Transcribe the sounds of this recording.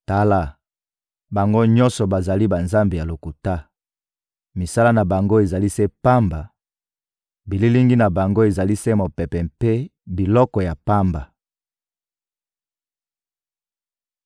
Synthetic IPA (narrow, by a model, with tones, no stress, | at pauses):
ta˦la˦ | ba˨ŋɡo˦ɲɔ̃˦nsɔ˨ba˨za˨li˦ba˨nza˦mbe˨ja˨lo˨ku˨ta˦ | mi˨sa˦la˦na˨ba˨ŋɡo˦e˨za˨li˦se˦pa˦mba˨ | bi˨li˦li˦ŋɡi˦na˨ba˨ŋɡo˦e˨za˨li˦se˦mo˨pɛ˨pɛ˨mpe˦bi˨lɔ˦kɔ˨ja˨pa˦mba˨